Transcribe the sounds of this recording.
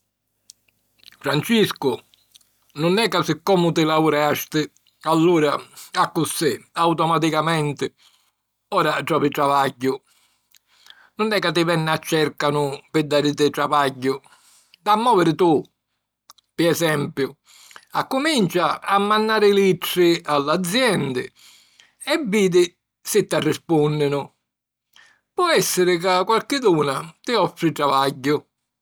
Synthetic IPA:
fɾant͡ʃiskʊ | nʊnɛkːasɪkːɔmʊt̪ɪlauɾɛaʃt̪ɪ | alːuːɾaakːʊsɪawt̪ɔmat̪̬ikamɛnt̪ɪ | ɔːɾaʈɔpɪʈɾavaɟːʊ | nʊnɛkːat̪ːɪvɛnːat͡ʃːɛɾkanʊpɪd̪ːaːɾɪt̪ɪʈɾavaɟːʊ | d̪amːɔːvɪɾɪt̪u | pɪɛsɛmpjʊ | akːʊmint͡ʃaːmːanːaːɾɪliʈɾɪalːad̪zːjɛnd̪ɪ̰ | ɛviːd̪ɪ | sɪt̪ːarːɪspunːɪnʊ | pwɔɛsːɪɾɪk̬akːwalkɪd̪uːnat̪ɪɔfːɾɪʈɾavaɟːʊ

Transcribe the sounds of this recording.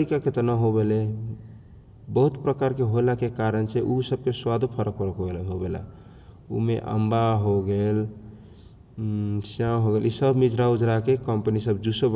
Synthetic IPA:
ɾikaket̪ənaɦobele | bəɦut̪pɾəkaɾkeɦolakekaɾənt͡ʃʰeʔusəb̚keswad̪ʱopʰəɾəkɦəɾəkɦoelɛɦobela̰ | ṵmḛʔə̰mbaɦoɡel | sjãɦoɡelisəbʱmid͡ʒɾaud͡ʒɾakekəmpənisəbd͡ʒusəb

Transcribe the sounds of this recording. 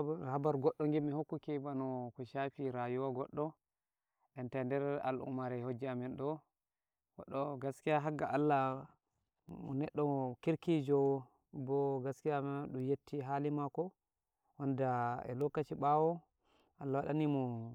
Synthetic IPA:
habaɾɡɔɗːɔŋɡɛmːihokːukɛbanɔkɔʃafiɾajuwaɡɔɗːɔ | ʔɛntɛndɛɾa̰lʔṵmaɾɛhod͡ʒːiamɛnɗɔ | wa̰ɗɔɡaskijaɦaɡaʔalːa | mɔnɛɗːɔkiɾkid͡ʒɔ | bɔɡaskijamɛɗumjetːiɦalimakɔ | wandaɛ̰lɔkːat͡ʃiɓawɔ | ʔalːawaɗanimɔ

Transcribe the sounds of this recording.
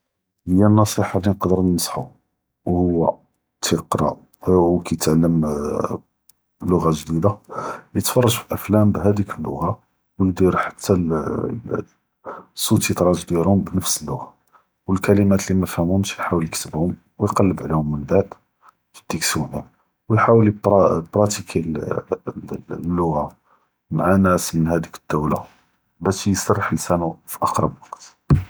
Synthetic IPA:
həjːænːɑsˤiħɑlinəqd̪əɾnsˤħu | whʊwːæ | t̪ʰiqɾˤɑ̰ | wkæjt̪ʕlːəm | lːʊɣaʒd̪id̪ajət̪fɑrˤːɑʒfilʔəflæmbɦæd̪ikəlːʊ̰ɣa | wjd̪iɾħḁt̪ʰːæ | sːut̪ət̪ˤɾˤɑʒd̪jæɾhʊmbnəfsəlːʊɣa | wəlkælimæt̪limæfhæmʊmʃjħawəljəkt̪əbhʊm | wjqɑlːəbʕlihʊmːənbaʕd̪ | əd̪̥iksuni | wjħawəlɾbɾˤɑt̪ikʰil | lːʊɣa | maʕanæsmənhæd̪ikə̥d̪̥ːæwla̰ | bæʃjsɑrˤːəħəlsænufi̥ʔɑqɾˤɑ̰bwɑqt̪

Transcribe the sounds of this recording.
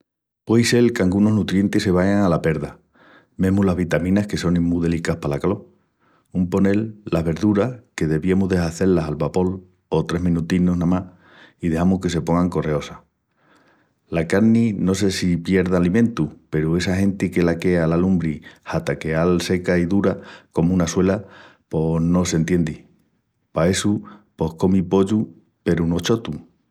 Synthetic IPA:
pwejse̞lkaŋɡuno̞ɦnut̪ɾje̞nt̪ese̞βajaŋalape̞ɾða | me̞ɦmulaɦβit̪amĩnahke̞so̞niŋmuðe̞likahpalakalo̞ | umpo̞ne̞lːaɦβe̞ɾðuɾahke̞ðe̞βiemuɦðe̞saθe̞lːasalβapo̞l | o̞t̪ɾe̞ɦmĩnut̪ino̞ɦnãmah | iðe̞hamuhke̞se̞po̞ŋɡaŋko̞re̞o̞sa | lakaɾnino̞s̬e̞sipje̞ɾðaːlimẽnt̪upe̞ɾue̞sahẽ̞nt̪ike̞lake̞alalumbɾihat̪ake̞alse̞kaiðuɾako̞munaswe̞lapo̞no̞se̞nt̪je̞nd̪i | pae̞supo̞hko̞mipo̞ʎu | pe̞ɾuno̞t͡ʃo̞t̪u

